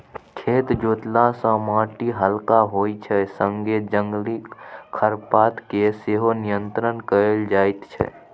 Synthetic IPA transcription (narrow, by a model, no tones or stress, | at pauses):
kʰeːt̪d͡ʒoːt̪lasə̃mãːʈiɦəlkaɦoːit͡ʃʰɛsə̃ŋɡed͡ʒəŋɡlikʰəɾpaːt̪keseɦonijənt̪ɾənkəɾeld͡ʒaːɪt̪t͡ʃʰɛ̰